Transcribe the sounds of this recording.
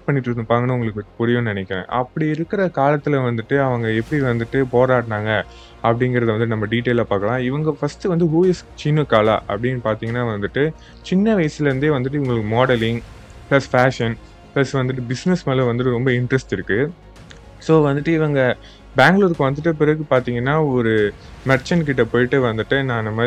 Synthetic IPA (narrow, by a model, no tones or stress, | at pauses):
ʈ̚pɐɳːɪʈːɯnːɯpaːŋɡɐnɐ̃ʊŋɡɐɭɯkːʈːpʊɾɪʋɐ̃nɐnɛkʲːɛ̰̃ʔɐ̰pːɐɽiɪɾɯkːɪɾɐkaːlɐt̪ːɪlɐʋɐnd̪ɯʈːɯɐʋɐŋɡɐɛpːɐɽiʋɐnd̪ɯʈːɯpoːɾaːʈnaːŋɡɐ | ɐpːɐɽɪŋɡɪɾɐðʋɐnd̪ɯːɯnɐmːɐɖiːʈːeːlaːpaːkɐlãːɪʋɐŋɡɐfɐsʈɯʋɐnd̪ɯɦuːɪst͡ʃinɐkːaːla̰ːʔɐ̰pːɐɽɪnːpaːɾt̪iːŋɡɐnːaːʋɐnd̪ɯʈːɯ | t͡ʃɪnːɐʋɐjɐsɪlɐɾɯnd̪eːʋɐnd̪ɯʈ̬ːɯʊŋɡɐɭɯkːɯmɔːɽɛlɪŋ | plɐsfaːʂɐn | plɐsʋɐnd̪ɯʈ̬ːɯbɪsnɛsmɐlʋɐnd̪ɯʈːɯɾɔmbɐɪɳɖɾɛsʈɪɾɯkːɯ | soːʋɐnd̪ɯʈːɯɪʋɐŋɡɐ | baːŋɡɭoːɾkːɯʋɐnd̪ɯʈ̬ːɯp̬ɪɾɐɣɯpaːɾt̪iːŋɡɐnːaːɔɾɯ | mɐʈt͡ʃɐnk̬ɪʈːɐpoːjɪʈːɯʋɐnd̪ɯʈːɯnãːnɐmːɐ